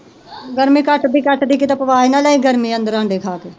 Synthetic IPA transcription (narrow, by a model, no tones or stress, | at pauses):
ɡəɾmiːkəʈd̪iːkəʈd̪iːkit̪apəʋaːiːnaːlaːiːɡəɾmiːənd̪əɾãːd̪eːkʰaːkeː